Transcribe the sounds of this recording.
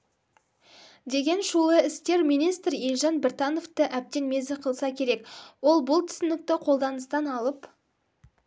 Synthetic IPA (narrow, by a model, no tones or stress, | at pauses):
d̪e̞ɡʲe̞nʃulˠəɪst̪ʲe̞ɾmijnijst̪ɾilʲʒɑnbɪrt̪ɑno̞ft̪əʔæp̚t̪e̞nme̞zɪqʰəlˠsɑkʲʰe̞ɾe̞kwo̞lˠbʊlˠt̪ʰʏ̥sɪnɪk̚t̪ɪqʰo̞lˠd̪ɑnəst̪ɑnɑlˠəp